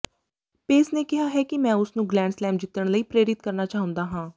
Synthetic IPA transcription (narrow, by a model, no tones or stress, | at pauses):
peːsneːkɪɦaːɦɛːkɪmɛ̃ːʊsnũːɡlɛ̃ːɳɖslɛːmd͡ʒɪt̪ːəɳ̃ləiːpɾeːɾɪt̪̚kəɾnaːt͡ʃaːɦʊ̃nd̪aːɦãː